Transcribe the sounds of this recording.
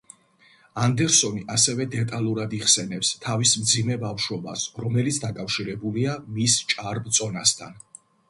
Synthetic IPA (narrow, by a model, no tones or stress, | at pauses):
and̪ɛɾsɔniʔasɛvɛd̪ɛt̪ʼalˠuɾad̪iʁsɛnɛpst̪ʰavismd̪zimɛbafʃwɔba̰sɾɔmɛlit̪sʰd̪akʼafʃiɾɛbuliamist͡ʃʼaɾbt̪sʼɔnast̪ʰa̰n